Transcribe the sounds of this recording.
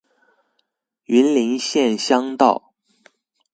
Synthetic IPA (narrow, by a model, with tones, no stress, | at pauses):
y˧˥nli˧˥nɕjɛ˥˩nɕjɑ˥ŋt̪ɑ˥˩ʊ